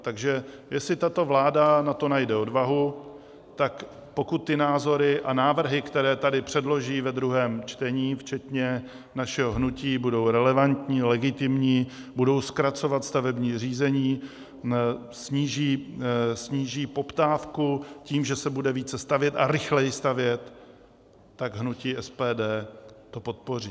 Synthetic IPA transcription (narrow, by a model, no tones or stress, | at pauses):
t̪aɡʒɛ | jɛsɪt̪at̪o̞vlaːdanat̪o̞najdɛo̞dvaɦu | t̪ak | po̞kut̪ːɪnaːzo̞ɾɪʔanaːvr̩ɦɪkt̪ɛɾɛːt̪adɪpr̝̥ɛdlo̞ʒiːvɛd̪ɾuɦɛːmt͡ʃt̪ɛɲiːft͡ʃɛt̪ɲɛ | naʃɛɦoɦnuciːbudo̞wɾɛlɛvant̪ɲiːlɛɡɪt̪ɪmɲiː | budo̞wskɾat͡so̞vat̪st̪avɛbɲiːr̝iːzɛɲiː | sɲiːʒiːsɲiːʒiːpo̞pt̪aːfkuciːmʒɛsɛbudɛviːt͡sɛst̪avjɛt̪aɾɪxlɛjɪst̪avjɛt̪ː | aɡɦnuciːʔɛspɛːdɛːt̪o̞po̞t̪̚po̞riː